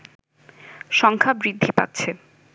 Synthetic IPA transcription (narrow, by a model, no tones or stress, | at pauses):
ʃɔŋkʰabɾid̪ʱːipa̰t̪̚ːt͡ɕʰe